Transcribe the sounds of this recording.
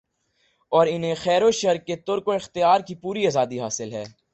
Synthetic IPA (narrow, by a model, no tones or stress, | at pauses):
ɔːɾɪnɦẽxɛːɾoʃɐɾket̪ʊɾkoɪxt̪ɪjaːɾkipuːɾiaːzaːd̪iɦaːsɪlɦɛː